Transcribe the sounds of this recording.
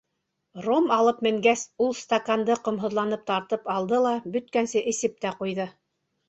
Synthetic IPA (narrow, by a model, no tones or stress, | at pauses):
romɑlˠɤpmɘ̆ŋɡæsulˠst̪akand̪ɤqŏmɦŏðlˠɑnɤp̚t̪ɑɾt̪ɤpɑlˠd̪ɤlˠɑbɵ̆t̪̚kænsɘʔɘ̆sɘp̚t̪æqujðɤ